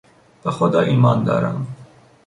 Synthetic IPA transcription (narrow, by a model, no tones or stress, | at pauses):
b̥exod̪ɒːʔiːmɒːnd̪ɒ̰ːɾæ̰m